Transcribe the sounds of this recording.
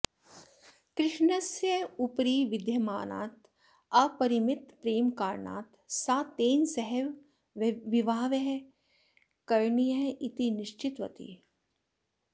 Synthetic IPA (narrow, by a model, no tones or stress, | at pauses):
kɾɪʃɳɐsjəupɾiːʋɪd̪ʱjɐmaːna̰ːt̪ | apɐɾimɪt̪pɾeːmkaːɾɳa̰ːt̪ | saːt̪eːnsɐɦɛʋ | ʋiʋaːʋeɦ | kɐɾnijɐit̪inɪʃt͡ʃɪt̪ʋɐ̰t̪ḭː